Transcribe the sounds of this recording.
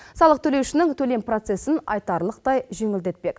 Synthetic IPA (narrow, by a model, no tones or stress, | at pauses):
sɑlˠəq̚t̪ʰɵle̞wʃɪnɪŋt̪ʰɵle̞mpro̞t̪se̞sɪnɑ̰jt̪ɑɾlˠəq̚t̪ɑjʒe̞ŋɪld̪e̞t̪̚pe̞k